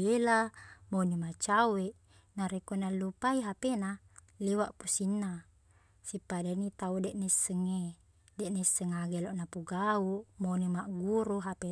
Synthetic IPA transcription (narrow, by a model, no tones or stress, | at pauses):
elamonimat͡ʃaweʔ | naɾekonalːupaiɦapena | lewaʔpusinːa | sipadanit̪audɛʔnesːəŋːe | dɛʔnesːəŋaɡeloʔnapuɡauʔmonimaʔɡuɾuɦape